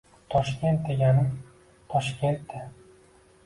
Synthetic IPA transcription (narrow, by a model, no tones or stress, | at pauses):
t̪ʰɒʃkʲe̞nt̪̚d̪eɡʲanɪ | t̪ʰɒʃkʲʰe̞nt̪d̪ɪ